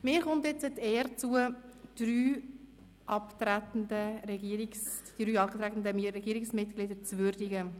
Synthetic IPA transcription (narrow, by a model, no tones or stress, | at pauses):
mɪːɾχʊntɛt͡səteːəɾt͡suəd̥ɾyː | ʔɑptɾæt̪ən̩dəɾɛɡiəɾiksd̥ɾyːɑtɾætn̩dəmɾɛɡiːɾɪksmɪtklɪdəɾt͡svʏɾdiɡə